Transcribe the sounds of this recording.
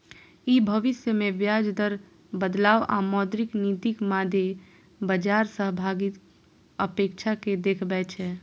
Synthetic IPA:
ibʱəʋɪsjəmeʋjad͡ʒd̪əɾ | bəd̪laːwa̰mɔd̪ɾɪknid̪ikmad̪ʱe | bəd͡ʒaːɾsəɦbʱaɡit̪ | əpeːkt͡ʃʰaked̪ekʰbɛːt͡ʃʰɛ

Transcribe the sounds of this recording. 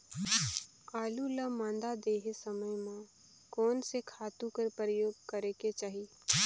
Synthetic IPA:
aːluləmãːnd̪ad̪eːɦesəməjmã | kɔːnsekʰaːt̪ũkəɾpəɾəjoːɡkəɾeket͡ʃaːɦi

